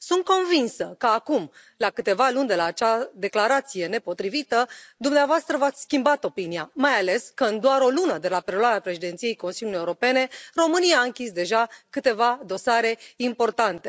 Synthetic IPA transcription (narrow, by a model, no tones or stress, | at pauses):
sunt̪̚ko̞nvinsəkəakum | lakɨt̪e̞valunʲd̪e̞laːt͡ʃad̪e̞klaɾat̪sije̞ne̞po̞t̪ɾivit̪əd̪umneavoast̪ɾəvat̪sʲskʲimbat̪o̞pinijamajale̞skəɨnd̪oaɾo̞lunəd̪e̞lapeloaɾeapɾe̞ʃid̪e̞nt̪sije̞jko̞nsilʲjulie̞uɾo̞pe̞ne̞ro̞mɨniaːɨŋkʲisd̪e̞ʒakɨt̪e̞vad̪o̞saɾe̞impo̞rt̪ant̪e̞